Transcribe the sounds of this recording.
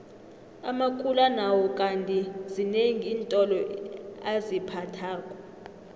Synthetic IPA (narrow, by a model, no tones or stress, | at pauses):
a̰makʰʼulanawɔkʼantʼizineŋiːntʼɔlɔazipʰatʰaːkʼɔ̥